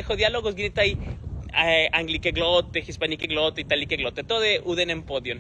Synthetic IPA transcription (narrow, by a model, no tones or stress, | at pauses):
exoðjaloɣosɡnet̪aj | aŋɡlikeɡlot̪exispanikeɣlot̪eit̪alikeɣlot̪et̪oðeʔuðenempoðjon